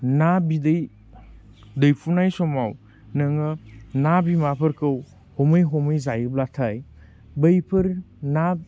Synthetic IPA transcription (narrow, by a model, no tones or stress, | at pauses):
nabidɯj | dɯjpʰunajsɔmaw | nɐŋɯnabimapʰɯɾkɯw | hɔmɯjɦɔmɯjzajɯblatʰaj | bəjpʰɯɾ | na